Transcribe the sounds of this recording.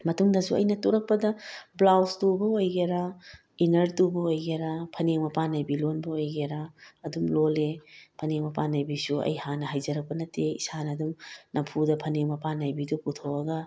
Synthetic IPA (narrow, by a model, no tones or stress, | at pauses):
mɐtuŋdɐsuɐ̰jnɐtuɾɐk̚pɐdɐblawstubɐojɡeɾa | inɐɾtubɐojɡeɾapʰɐneŋmɐpanajbilonbɐojɡeɾaɐdumlolepʰɐneŋmɐpanajbisuɐ̰jhanɐɦajzɐɾɐk̚pɐnɐteḭsanɐdumnɐpʰudɐpʰɐneŋmɐpanajbiduputʰowɐɡɐ